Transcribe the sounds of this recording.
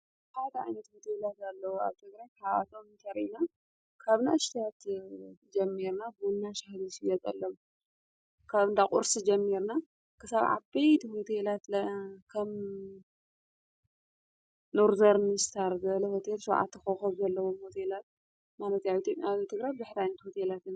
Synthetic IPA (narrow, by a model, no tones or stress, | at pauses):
ħad̪ɐʕa̰jnɐt̪hot̪ʰelat̪alːɐwua̰βt̪ʰɨɡɾajkʰaβa̰t̪ʰomnt̪ʰɐɾʔina | kʰaβnaɨʃt̪ʰjat̪d͡ʒɐmːiɾnabunːaʃahlisijɐt̪ʼɐ̰lːɐw | kʰaβɨnd̪akʼʊ̰ɾsid͡ʒɐmːiɾna | kʰɨsaβʕa̰bejt̪ʰho̞t̪ʰelat̪lɐkʰɐm | noɾvɐɾnɨst̪ʰaɾzɐlɐhot̪ʰelʃɐwʕa̰t̪ːɨxoxɐβzɐlːɐwomho̞t̪ʰelat̪̚ | malɐt̪aβit̪ʰjopʼjat̪ʰɨɡɾajbzɨħɾajnɐt̪ho̞t̪ʰelat̪ʰɨn